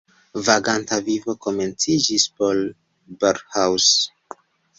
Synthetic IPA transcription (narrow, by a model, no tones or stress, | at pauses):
vaɡantavivo̞ko̞me̞nt͡sid͡ʒispo̞l | beɾhaws